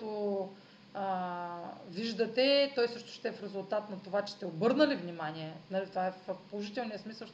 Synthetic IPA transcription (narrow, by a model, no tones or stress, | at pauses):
t̪o | viʒd̪ət̪ɛt̪ɔjsɤʃt̪ʊ̥ʃt̪ɛɛfɾɛzulˠt̪at̪nɐt̪ovat͡ʃɛ̥st̪ɛobɤɾnəlivnʲimanʲiɛnɐlit̪ovaɛffpolˠoʒit̪ɛlˠnijəsmisəlˠʃ